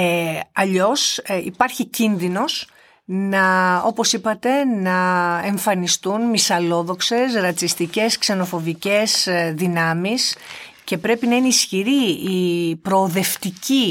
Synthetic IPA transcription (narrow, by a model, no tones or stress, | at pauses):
ɐʎo̞sḭpɐɾçicinðino̞s | nɐo̞po̞sipɐt̪e̞nɐe̞ɱfɐnist̪unmisɐlo̞ðo̞kse̞sɾɐt͡sist̪ice̞skse̞no̞fo̞vice̞zðinɐmis | ce̞pɾe̞pinɐineisçiɾiipɾo̞ːðe̞ft̪ici